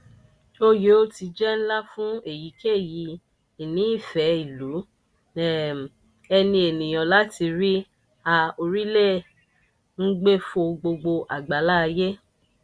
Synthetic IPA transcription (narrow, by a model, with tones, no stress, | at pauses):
o˦je˨˦o˦ti˧d͡ʒɛ˦n̩˦la˦fũ˦e˦˨ji˨˦ke˦˨ji˨˦ | i˨nĩ˨˦i˦˨fɛ˨˦i˨lu˨˦ | ɛ˨ | ɛ˧nĩ˧e˨nĩ˨j̃ã˨la˨˦ti˧ɾi˦ | a˧o˧ɾi˦le˦˨ | n̩˦ɡ͡be˦fo˧ɡ͡bo˧ɡ͡bo˧ʔa˨ɡ͡ba˨˦la˦˧je˦